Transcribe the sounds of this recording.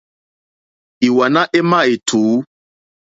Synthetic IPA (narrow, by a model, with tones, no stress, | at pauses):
i˨wa˨nã˦ʔe˦mã˦˨e˨tʰuː˨˦